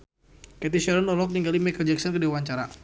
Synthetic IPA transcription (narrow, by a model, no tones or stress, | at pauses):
kɛt̪iʃɛɾɔnɔlɔk̚niŋɡalimɛkəd͡ʒɛksankədiwaɲt͡ʃaɾa